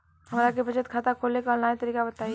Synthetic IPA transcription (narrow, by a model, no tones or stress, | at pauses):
hɐmːɾakebʱɐd͡ʒət̪kʰaːt̪akʰoːlekaɔ̃lnaːit̪əɾiːkabɐt̪aːi